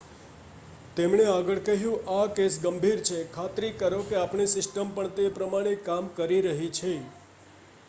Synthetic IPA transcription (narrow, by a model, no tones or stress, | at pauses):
t̪emɳeaɡəɭkəɦjũʔakesɡəmbʱiɾt͡ʃʰekʰat̪ɾikəɾokeapɳisɪsʈəmpəɳt̪epɾəmaɽ̃ekamkəɾiɾəɦit͡ʃʰe